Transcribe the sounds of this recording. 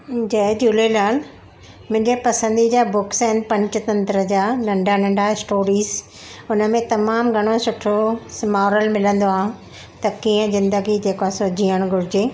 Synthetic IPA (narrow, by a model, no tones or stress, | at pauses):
d͡ʑɐɦd͡ʑuːlelaːl | mʊ̃ɦɪ̃ɲd͡ʑepɐsə̃nd̪id͡ʑaːbʊksɐɦɪnpɐ̃ɲt͡ɕʊ̆t̪ɐ̃nt̪ɾəd͡ʑaːnɐ̃ɳɖʱanɐ̃ɳɖaɪsʈoːɾiːz | ʊnəmẽt̪ɐmaːmɡʱɐɽ̃osʊʈʰomaːɾəlmɪlə̃nd̪oaːɦʊ̃ | t̪ɐkiːə̃zɪ̃nd̪əɡid͡ʑeːkoasod͡ʑʱiːəɽ̃ɡʱʊɾɪd͡ʑeː